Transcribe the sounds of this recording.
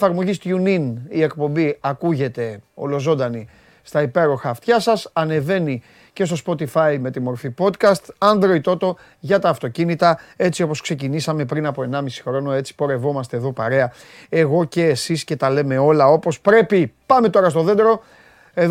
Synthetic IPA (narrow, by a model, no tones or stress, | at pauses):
fɐɾmo̞ʝist̪uninie̞kpo̞mbiɐkuʝe̞t̪e̞o̞̰lo̞zo̞nd̪ɐni | st̪ɐipe̞ɾo̞xɐft̪çɐsɐsɐne̞ve̞ni | ce̞st̪o̞spo̞t̪ifɐjme̞t̪imo̞ɾfipo̞t̪kɐst̪ɐnd̪ɾo̞it̪ot̪o̞ | ʝɐt̪ɐːft̪o̞cinit̪ɐe̞t͡sio̞po̞skse̞cinisɐme̞pɾinɐpo̞e̞nɐmisi̥xɾo̞noe̞t͡si̥po̞ɾe̞vo̞mɐst̪eðo̞pɐɾe̞ɐ | e̞ɣo̞ce̞ːsisce̞t̪ɐle̞me̞o̞lɐo̞po̞spɾe̞pipɐme̞t̪o̞ɾɐst̪o̞ðend̪ɾo̞ | e̞ð